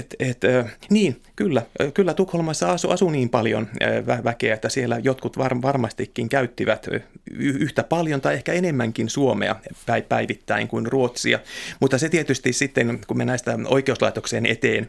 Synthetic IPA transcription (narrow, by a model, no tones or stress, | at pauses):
et̪et̪øniːnkylːækylːæt̪ukholmɑsːɑɑsuʔɑsuniːmpɑljo̰nʋæʋækḛæet̪ːæsielːæjot̪kut̪ʋɑrʋɑrmɑst̪ikːiŋkæyt̪ːiʋæt̪yyht̪æpɑljont̪ɑiehkæenemːæŋkinsuomḛɑ̰pæipæiʋit̪ːæiŋkuinruot̪siɑ̰mut̪ːɑset̪iet̪yst̪issit̪ːenkumenæist̪æoikeuslɑ̰it̪okseːnet̪eːn